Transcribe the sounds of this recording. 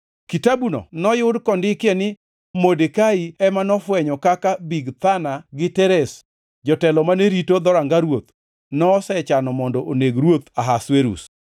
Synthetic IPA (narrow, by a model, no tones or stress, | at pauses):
kitabunɔ̰nɔjʊdkɔndɪkɪɛnɪ | modekaiɛmanɔfwɛɲɔkakabiɡt̪anaɡɪtɛɾɛs | d͡ʒɔtɛlɔmaneɾitod̪ɔɾaŋɡaɾwot̪ | nɔsɛt͡ʃanɔmɔndɔʔoneɡɾwot̪aɦasweɾṵs